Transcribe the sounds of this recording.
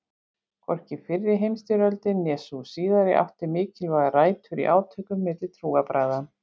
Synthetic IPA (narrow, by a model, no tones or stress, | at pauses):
kʰɔr̥cɪfɪrːɪɦejmst̪iɾœlt̪ɪnːɛːsusiːðaɾɪ̰ʔa̰ht̪ɪɾmɪːcɪlvaɣaraːjt̪fɪɾḭʔaːwt̪ʰœkʏmːɪt̪lɪ̥t̪ʰɾuːɣapɾaːjðan